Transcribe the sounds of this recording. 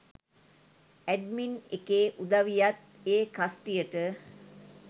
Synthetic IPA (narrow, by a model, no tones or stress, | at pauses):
æɖminekeːʔud̪aʋijat̪̚ | eːkasʈijəʈə